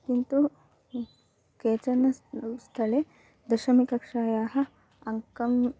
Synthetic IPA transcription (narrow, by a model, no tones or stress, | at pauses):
kint̪u | keːt͡ʃɐnɐst̪ʰɐle | d̪ɐʃɐmikɐkʂaːjaːɦɐ̆ | ɐŋkɐm